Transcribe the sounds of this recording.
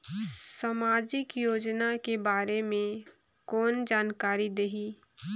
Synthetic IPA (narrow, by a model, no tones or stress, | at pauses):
samaːd͡ʒɪkjoːd͡ʒnakebaːɾemẽ | kɔːnd͡ʒaːnkaːɾid̪eɦiː